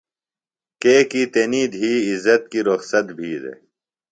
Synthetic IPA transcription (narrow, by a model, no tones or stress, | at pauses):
keːkit̪eniːd̪ɦiːizːɐt̪̚kiːɾoxsɐt̪bʱiːd̪ḛ